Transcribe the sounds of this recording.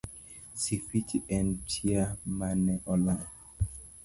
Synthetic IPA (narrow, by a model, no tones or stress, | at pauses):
sifitʰiɛ̃ntʰiamanɛʔɔlã